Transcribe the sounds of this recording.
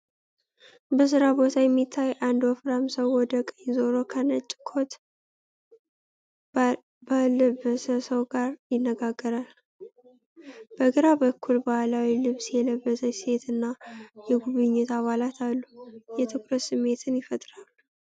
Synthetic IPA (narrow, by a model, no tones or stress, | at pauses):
bəs̬ɨɾabo̞t̪ʰajɛmːit̪ʰːajʔand̪wɔfɾamsəwːɔd̪əkʼəɲzo̞ɾo̞kʰənət͡ʃʼːɪkʰo̞t̪ | baləbəsəsəwɡaɾjɪnːəɡaɡːəɾal | b̥əɡɨɾabəkʰːulbahalawilɨβsjɛləbːəsəse̞t̪ɨnːajɛɡuβɨɲːɛt̪aβalat̪ʰalːujɛt̪ʰɨkɾət̪sɨmːe̞t̪ʰɨnjɪfət̪ʼɾalːu